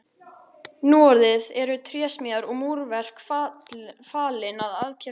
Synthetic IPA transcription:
nuːɔɾðɪðɛɾʏt̪ʰɾjɛːsmiaɾɔɣmuɾvɛr̥kf | faːlɪnaðaðcʰɛ

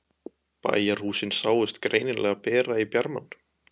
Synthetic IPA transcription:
pa̰jar̥uːsɪnsaːwɪst̪kɾʔeːjnɪnlʔɛːɣapɛːɾaipjaɾma̰n

